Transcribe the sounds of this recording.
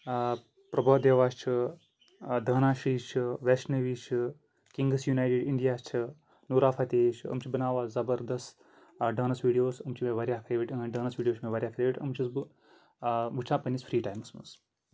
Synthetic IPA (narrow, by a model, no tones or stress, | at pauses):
pɾɐbɐːd̪jɐʋaːst͡ʃʰi | d̪ʱɐːnaːʃiːt͡ʃʰɨʋesnɐʋiːt͡ʃʰi | kiŋɡɨsjuːnaːjʈiɖiɳɖijaːst͡ʃʰi | nuːɾaːfʰat̪eːt͡ʃʰɐ̰mt͡ʃʰibɐnaːʋaːzɐbɐɾd̪ɐst̪ | ɖɐːnɐsʋiːɽijoːsɐmt͡ʃʰimeʋɐɾʲjaːkʰɐjʋiʈʲɐɖɐːnɐsʋiːɖijoːt͡ʃʰmeʋɐɾʲjaːkʰɐɾʋiʈʰʲɐ̰mt͡ʃʰisb | ʋut͡ʃʰãːpɐnʲisfʰɾiːʈaːjmɐsmɐ̰s